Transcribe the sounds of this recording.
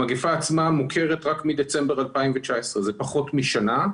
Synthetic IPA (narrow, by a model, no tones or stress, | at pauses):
aɡefaːt͡smamukʰe̞ʁetʁakmid̪et͡sembeʁalpaimvet͡ʃaesʁezepaχo̞tmiʃana